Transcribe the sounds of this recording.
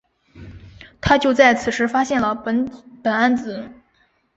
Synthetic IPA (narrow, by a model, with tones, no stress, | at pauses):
t̪ʰa˥t͡ɕjo˥˧ʊt͡sa˥˩ɪt͡sʰɹ̩˨˩ʂɻ̩˥fa˥ɕjɛ˥˩nlə˩˧˥pə˨˩na˥nt͡sɹ̩˨˧˦